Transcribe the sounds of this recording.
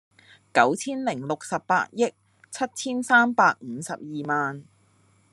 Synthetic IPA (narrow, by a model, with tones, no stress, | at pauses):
kɐ˨˥wt͡sʰiː˥nlɪ˨˩ŋlʊ˨k̚sɐ˨pːa̰ː˧˥t̚jɪ˥k̚ | t͡sʰɐ˥t̚t͡sʰiː˥nsaː˥mpaː˧k̚ŋ̩ː˨˧sɐ˨p̚jiː˨maː˨n